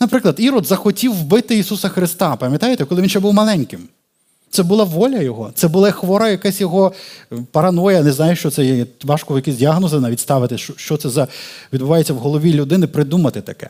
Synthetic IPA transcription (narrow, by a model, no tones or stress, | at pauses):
nɐpɾɪklˠɐd̪iɾɔd̪zɐxɔtʲiwbɪt̪ɪisusɐxɾɪst̪ɑpɐmʲjɐt̪ajet̪ɛkɔlˠɪʋʲinʃt͡ʃɛbuwmɐlˠɛnʲkɪm | t̪sɛbʊlˠɑʋɔlʲɐjɔɦɔt̪sɛbʊlˠɛxʋɔɾɐjɐkɛsʲjɔɦɔpɐɾɐnɔjɛnɛznɑjɛʃt͡ʃɔt̪sɛjɛɛʋɑʃkɔjɐkizʲdʲiaɦnɔzɪnɐʋʲit̪ʲst̪ɑʋɪt̪ɪʃt͡ʃɔʃt͡ʃɔt̪sɛzɐʋʲid̪bʊʋɑjet͡sʲːɐwɦɔlˠɔʋʲilʲʊd̪ɪnɪpɾɪd̪umɐt̪ɪt̪ɐkɛ̰